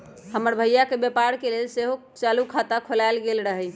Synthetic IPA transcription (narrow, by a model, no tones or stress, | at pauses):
həməɾbʱəjjakebjepaɾkelelseɦo | t͡ʃalukʰat̪akʰolaɪlɡelɾəɦɛj